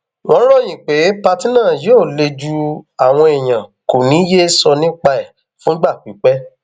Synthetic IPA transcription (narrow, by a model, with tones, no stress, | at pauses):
wɔ̃˦ɾɔ˦˨j̃ĩ˨k͡pe˨˦pa˧ti˦nã˦˨jo˦˨le˧d͡ʒu˧a˨w̃ɔ̃˧e˨j̃ã˨ko˨nĩ˨˦je˦sɔ˧nĩ˦k͡pa˧ɛ˦˨ | fũ˦ɡ͡ba˦˨k͡pi˨˦k͡pɛ˦